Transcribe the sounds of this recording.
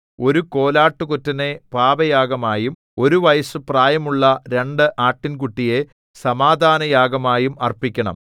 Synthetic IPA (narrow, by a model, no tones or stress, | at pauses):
o̞ɾuko̞ːlaːʈːukutːɐnepaːbɐjaːɡɐmaːjum | o̞ɾuʋɐjɐsɨpraːjɐmuɭːɐɾe̞ɳɖɨʔaːʈːinkuʈːije̞ | sɐmaːd̪ʱaːnɐjaːɡɐmaːjumɐrpikʲːɐɳɐ̰m